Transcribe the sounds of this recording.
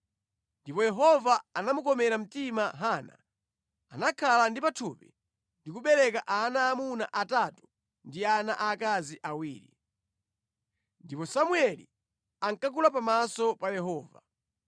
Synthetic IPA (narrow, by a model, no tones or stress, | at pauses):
ndipɔjɛɦɔvaanamukɔmɛɾam̩timaɦana̰ | anakʰalandipatʰupḭ | ndikuɓɛɾɛkaʔanaːmuna̰ʔatatu̥ | ndiana̰ʔakaziʔawiːɾḭ | ndipɔsamuɛlḭ | aŋkak̬ulapamasɔpajɛɦɔːva